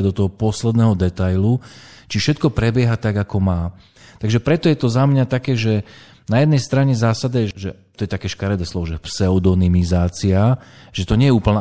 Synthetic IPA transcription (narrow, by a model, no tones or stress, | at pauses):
d̪ɔt̪ɔɦɔpɔslɛd̪nɛɦɔd̪ɛt̪ajlu | t͡ʃifʃɛt̪kɔpɾɛbjɛɦat̪aɡakɔmaː | t̪aɡʒɛpɾɛt̪ɔjɛt̪ɔzamɲat̪akɛːʒɛ | najɛd̪nɛjst̪ɾaɲɛzaːsad̪ɛʒɛ | t̪ɔjɛt̪akɛːʃkaɾɛd̪ɛslɔʋɔʒɛpsɛɔd̪ɔnimizaːt͡siaʒ̥ɛt̪ɔɲɛjɛuːpl̩na